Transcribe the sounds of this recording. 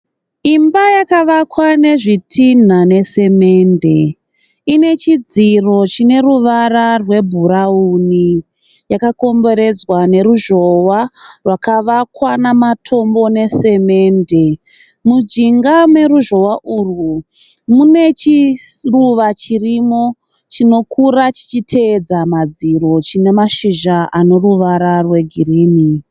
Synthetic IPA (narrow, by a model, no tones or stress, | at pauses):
imbajakaʋakwane̞ʐitʰin̤ane̞se̞me̞ːnde̞ | ine̞t͡ʃid͡ziro̞t͡ʃine̞ruʋararwe̞bʱuɾauni | jakako̞mbo̞ɾe̞d͡zwane̞ruʒo̞warwakaʋakwanamatʰo̞mbo̞ne̞se̞me̞ːnde̞ | mud͡ʒiŋɡamwe̞ruʒo̞waʔuru | mune̞t͡ʃiruʋat͡ʃirimo̞ | t͡ʃino̞kʰuɾat͡ʃi̥t͡ʃitʰe̞d͡zamad͡ziɾo̞t͡ʃine̞maʃiʒaano̞ɾuʋaɾarwe̞ɡʱiriːni